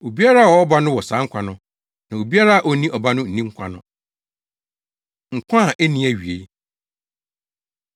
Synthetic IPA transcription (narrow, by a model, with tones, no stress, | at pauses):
o˨bi˦a˦ɾa˦˨wɔ˨˦ɔ˦ba˦nʊ̃˦wɔ˨sã˨˦ŋ̩˦kʷʰa˨nʊ̃˦ | nã˨o˨bi˦a˦ɾa˦a˨ʔɔ˦nĩ˦ʔɔ˨ba˦nʊ̃˦n̩˨nĩ˦ŋ̩˦kʷʰa˦nʊ̃˦ | ŋ̩˨kʷʰã˦˨ʔɛ˦nĩ˦æ˨ɥi˨e˦